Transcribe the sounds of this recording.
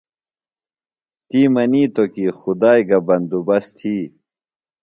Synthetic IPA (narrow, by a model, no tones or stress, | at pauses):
t̪iːmɐniːt̪okixud̪aːjɡɐbɐnd̪ubɐst̪ʰiː